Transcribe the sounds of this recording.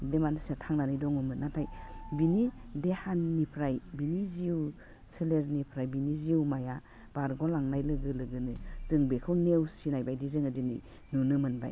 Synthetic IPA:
demansiatʰaŋnanɯjdɔŋɯmɯnatʰajbinidehanːipʰɾajbiniziw | seleɾnipʰɾajbiniziwmaja | b̥aɾɡɔlaŋnajlɯɡɯlɯɡɯnɯzɯŋbekʰɯwnewsinajbajdizɯŋadinɯ̰ | nunɯmɯnba̰j

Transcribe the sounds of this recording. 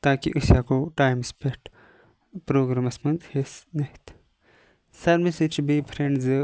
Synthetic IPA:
t̪aːkḭʔɨsjaːkoʈaːjmspeʈ | pɾoːɡɾaːmɐsmɐnzhesneht̪ | sɐɾmisit͡ʃbipʰɾeɳɖzɨ

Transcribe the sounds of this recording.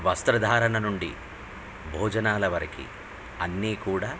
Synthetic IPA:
ʋɐst̪ɾɐd̪ʱaːɾɐnɐnuɳɖḭ | bʱoːd͡ʒɐnaːlɐʋɐɾɐkḭ | ɐnːiːkuːɽaː

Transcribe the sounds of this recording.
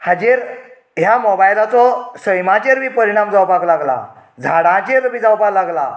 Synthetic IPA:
had͡ʑeɾ | ɦjamɔbajlat͡sɔsəjmãt͡ɕeɾʋiːpəɾiɽ̃amd͡zawpaklaɡla̰ | d͡zʱaɽãt͡ɕeɾʋiːd͡zawpaklaɡla

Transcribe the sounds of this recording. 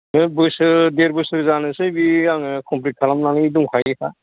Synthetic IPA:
ɯbɯsɯdeɾbɯsɾzanɯsɯbiaŋkʰɔmpɾit̚kʰalamnanɯiduŋkʰajtʰa̰

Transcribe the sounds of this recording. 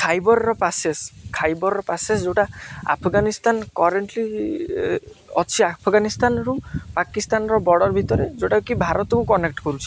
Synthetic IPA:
kʰajbɔɾɾɔpaseskʰajbɔɾɾɔpasesd͡ʒeʈaa̰pʰɡanist̪ankɔɾeɳʈli | ɔt͡ʃʰiapʰɡanist̪anɾupakist̪anɔɾɔbɔɽɔɾbʱit̪ɔɾed͡ʒewʈakukibʱaɾɔt̪ɔkukɔnekʈkɔɾut͡ʃʰi̥

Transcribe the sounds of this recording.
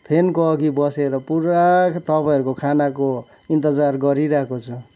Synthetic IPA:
pʰenkoʌɡibʌseɾʌpuɾakt̪ʌpaj̃ɦʌɾukokʰanako | int̪ʌd͡zarɡʌɾiɾʌkot͡sʰu

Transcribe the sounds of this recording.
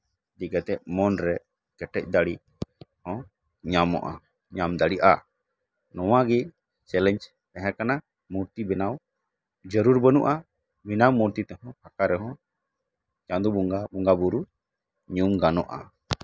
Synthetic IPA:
d̪iɡat̪ɛʔ̚mɔnɾɛ | kɛʈɛc̚ˀd̪aɽi | hɔ̃ | ɲamɔ̰ʔa̰ | ɲamd̪aɽiʔa | nɔwaɡi | t͡ʃɛlɛɲd͡ʒ | ɛɦɛ̃kana | muɾt̪ibɛnaw | d͡ʒəɾuɾbənuʔa | binawmuɾt̪it̪ɛhɔ̃pʰakaɾɛɦɔ̃ | t͡ʃãd̪ubuɡabuŋɡabuɾu | ɲumɡanɔʔa̰

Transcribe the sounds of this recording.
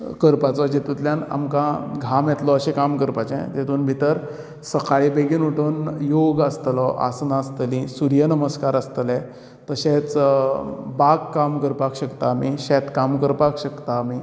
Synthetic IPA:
kəɾpat͡sɔd͡ʑet̪ut̪ljãna̰mkãɡʱamjɛt̪lɔəɕẽkamkəɾpat͡ɕɛ̰̃t̪et̪uːnbʱit̪əɾ | səkaɭibeɡinuʈʰənjoɡəst̪lɔʔa̰snaəst̪əlĩsuɾjənəməskaɾəst̪əlɛ̃ | t̪əɕẽt͡s | baɡkːamkəɾpakɕəkt̪aːmiɕɛt̪kamkəɾpakɕəkt̪aːmi

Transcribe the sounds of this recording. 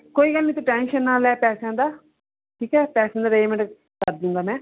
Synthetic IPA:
koːiːɡəlnĩːt̪ũːʈɛ̃ːnʃənːaːlɛːpɛːsjãːd̪aː | ʈʰiːkɛːpɛːsãːd̪aːɾeːmɛ̃ | kəɾd̪iũːŋɡaːmɛ̃ː

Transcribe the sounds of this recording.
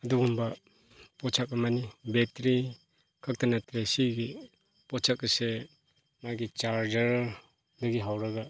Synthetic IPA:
ɐduɡumba | pɔt͡ʃʰakamanibetɾi | kʰɯk̚tanatɾesiɡi | pɔt͡ʃʰakːɐse | maɡit͡ʃaɾd͡ʒəɾ | dɐɡiɦawɾaɡa

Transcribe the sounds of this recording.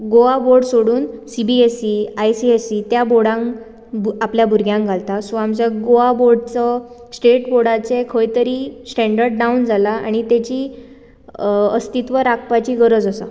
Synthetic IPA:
ɡoʋaboɾɖsoɽuːnsibiesiajsiesit̪jaboɽãŋ | bapljabʱuɾɡʱjãŋkɡʱalt̪asamt͡ɕeɡoaboɾɖt͡səsʈeʈboɽat͡sekʰəjt̪əɾiːsʈɛ̃ɳɖəɾɖɖaund͡zalaa̰ɽ̃it̪ɛt͡ɕiː | əst̪it̪ʋəɾak̚ʰpat͡ɕiːɡəɾəd͡zəsa̰

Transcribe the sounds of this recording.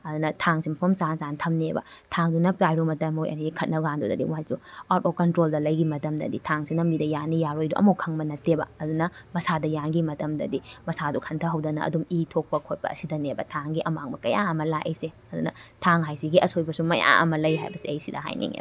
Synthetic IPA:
ɐdunɐtʰaŋsimɐpʰɐmsansantʰɐmnebɐ̰tʰaŋdunɐplajɾumɐtɐmojʔɐ̰niikʰɐt̚nɐɡandodɐ̰dḭwaduatokɐntɾoldɐlɐjɡimɐtɐmdɐ̰ditʰaŋsinɐmɡidɐjanijaɾojduʔɐ̰mukʰɐŋbɐnɐtebɐ̰ɐdunɐmɐsadɐjaŋɡimɐtɐmdɐ̰dimɐsadukʰɐntʰɐɦɐwdɐnɐ̰ʔɐ̰dumitʰok̚pɐkʰot̚pɐ̰ɐ̰sidɐnebɐ̰tʰaŋɡiʔɐmaŋbɐkɐja̰ɐmɐlakʔɐjse | ɐdunɐ̰tʰaŋɦajsiɡiʔɐsojbɐsumɐja̰ŋʔɐ̰mɐlɐjɦa̰jbɐsiɐjsidɐ̰ɦa̰jnḭŋḛb

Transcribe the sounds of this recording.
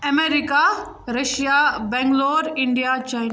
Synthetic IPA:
ɐmeːɾika | ɾɐʃijabɛ̃ŋɡloːɾɪ̃ɳɖijat͡ʃajn

